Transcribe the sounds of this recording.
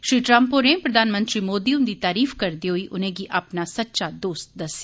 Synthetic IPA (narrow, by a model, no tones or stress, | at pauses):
ʃɾiːʈɾəmpoɾẽːpɾəd̪aːnmə̃nt̪ɾiːmoːd̪iːʊnd̪iːt̪aːɾiːfkəɾd̪iːɦoiːʔʔʊnẽːɡiːʔaːpnaːsətːʃaːd̪oːst̪̚d̪əsːeː